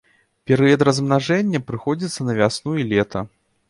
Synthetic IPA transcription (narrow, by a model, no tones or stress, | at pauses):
pʲɛɾɨjɐt̪ɾɐzmnaʐɛnʲːɐpɾɨxɔd͡zʲit̪sːɐnɐvʲasnuilʲɛt̪ɐ